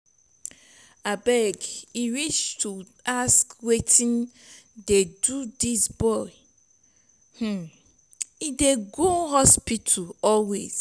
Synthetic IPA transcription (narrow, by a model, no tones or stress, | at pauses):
abɛɡiwiʃtʰu | askwetʰĩn | dedudisbɔɪ | h̩ | ideɡoɦɔspitʰuɔlwḛz̥